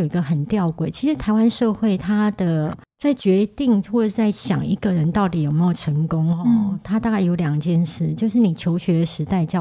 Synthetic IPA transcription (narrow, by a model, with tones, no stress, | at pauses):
o˨˩i˧˥ɡə˧xə˨˩nt̪jɑ˥˨˧ʊkwe˨˩ɪt͡ɕʰi˧˥ʂɻ̩˧˥t̪ʰa˧˥ɪwa˦˥nʂɤ˥˧xwe˥˩ɪt̪ʰa˥d̪̥ə˨ | t͡sa˥˩ɪt͡ɕɥɛ˧˥t̪i˥˧ŋxwɔ˥˩ə˨˩ʂt͡sa˥˩ɪɕjɑ̰˨˩ŋi˧˥ɡə˨ɻə˧˦nt̪ɑ˥˩ʊt̪i˨˥jo˨˩ʊme˧˥jo˨˩ʊʈ͡ʂʰə˧˥˦ŋkʊ˦˥ŋɔ˧t̪ʰa˥t̪a˥˧ka˥˩ɪjo˧˥ʊljɑ˨˩ŋt͡ɕjɛ˥˧nʂɻ̩˥˩t͡ɕjo˥˧ʊʂɻ̩˥˩ni˨˩t͡ɕʰjo˧˥ʊɕɥɛ˧˥d̪ə˨ʂɻ̩˧˥t̪a˥˧ɪt͡ɕjɑ˥˧